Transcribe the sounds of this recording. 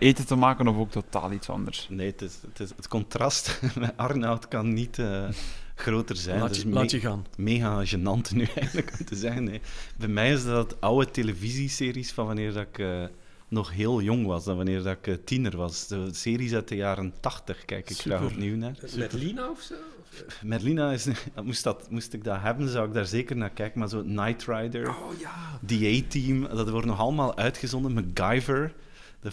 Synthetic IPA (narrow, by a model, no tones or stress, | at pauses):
eːtətəmaːkənɔfoːk̚tota̰ːlˠitsɑ̰ndə̰rsneːtɪstɪsətkɔntrɑstmɛʔɑrnawtkɑnːitəɣroːtərzɛjndsajəɣaːnmeːɣaʒənɑntnyɛjɣənləkɔmtəzɛɣənːebɛjmɛjɪzdɑttʌwəteləviziseːrisfɑnʋɑnɪːrdɑɪkə | nɔxɦeːlˠjɔŋʋɑsdɑnʋɑnɪːrdɑkətinərʋɑsdəseːɾisœtəjaːɾəntɑxtəxkɛ̰jkɪkɛoniwnaːrinaɔfso | mɛrlinaɪsmustdɑtmustɪɡ̚daːɹɦɛbənzɔwɪɡ̚daːrzeːkərnaːrkɛjkənmaːrzoːətnajtrajdəɹ | diejtimdɑtʋɔrtnɔxɑlˠəmaːlˠʔœɥtxəzɔndənməɡajvəɹ | də